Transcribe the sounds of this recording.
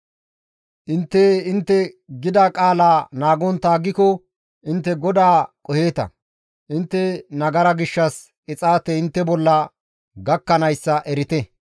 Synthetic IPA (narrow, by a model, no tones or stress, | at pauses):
ʔɪnt̪ːeɪnt̪ːɛɡɪd̪akʼaːlaːnaːɡɔnt̪aːɡːɪkɔ | ʔɪnt̪ːɛɡɔd̪aːkʼɔhe̞ːt̪ɐ̰ | ʔɪnt̪ːɛnɐɡɐɾɐɡɪʃːɐs | ɪt͡sʼaːt̪ɛɪnt̪ːɛbɔlːɐ | ɡɐkːɐnɐjsːɐʔɛɾɪt̪ɛ